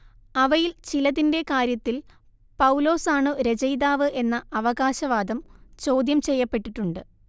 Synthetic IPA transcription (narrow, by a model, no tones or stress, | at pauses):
ɐʋɐjilt͡ɕilɐðinde̞kaːɾjɐt̪ːil | pɐwlo̞ːsaːɳɨɾe̞d͡ʑɐjd̪aːʋɨʔe̞nːɐːʋɐɣaːɕɐʋaːd̪ɐmt͡ɕo̞ːd̪jɐmt͡ɕe̞jːɐpːe̞ʈːiʈːuɳɖɨ